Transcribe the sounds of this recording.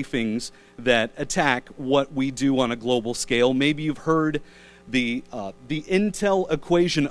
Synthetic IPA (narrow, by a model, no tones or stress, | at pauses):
θɪ̃ŋz | ðɨɾɨtʰækwʌʔ̚widɨə̃nɨɡloʊbl̩ˠskeɪlˠmeɪbijʉv̥hɜ˞d̪̚ | ðiðiʔɪ̃ntʰɛlˠɪkʰw̥eɪʒɨ̃n